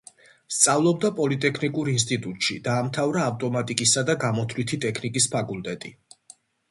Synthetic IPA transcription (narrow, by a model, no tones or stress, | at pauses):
st̪sʼavlˠɔb̚d̪apʼɔlit̪ʼɛkʰnikʼuɾins̬t̪ʼit̪ʼut̪ʼʃḭd̪aːmt̪ʰavɾaːft̪ʼɔmat̪ʼikʼisad̪aɡamɔt̪ʰlit̪ʰit̪ʼɛkʰnikʼispʰakʰʼulˠt̪ʼɛt̪ʼi